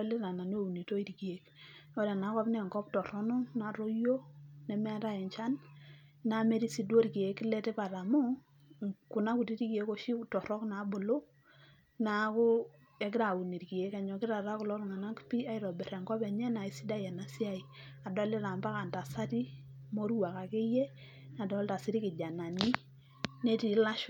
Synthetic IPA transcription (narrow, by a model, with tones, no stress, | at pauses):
le˦ɾa˨na˨no˦u˨ni˨to˦i˦ɾki˨e˨˦ko˦ɾa˨na˨˦kɔ˦pnɛ˦˨ŋkɔ˦p̚tɔ˨ɾɔ˦nɔ˦na˨ɾo˦jo˦nɛ˦mɛ˦a˦ta˦ɛ˨ɲt͡ʃa˦nː | a˨me˦ɾi˦si˦dwo˦ɾki˨e˦kːɪ˦lɛ˦tɛ˦pa˨ɾa˨mu˦ | ku˨na˦ku˨ti˦ɾi˦ki˨e˦ko˦ʃi˦tɔ˨ɾɔ˦kna˨˦bo˨lo˦ | na˨˦ko˦ | ɛ˨˦k̬ɪ˦ɾa˨u˨ni˨ɾki˨je˨˦ka˨ɲɔ˨kɪ˦ɾa˨ɾa˦kʊ˨lɔ˦ɾŋa˨na˦kpi˦a˦i˦ɾɔ˨bɛ˨ɾɛ˨ŋkɔ˦pɛ˨ɲɛ˦na˨i˦si˦da˦jɛ˨na˨si˦a˦i˨ | a˨dɔ˦le˦ɾa˨mba˦ka˨nta˨sa˦ti˦ | mo˦ɾwa˨ka˨ke˦je˦ | na˨dɔ˨˦lta˨si˦ɾi˦kɪ˨d͡ʒa˨na˨ni˦ | ne˦ti˨la˦ʃ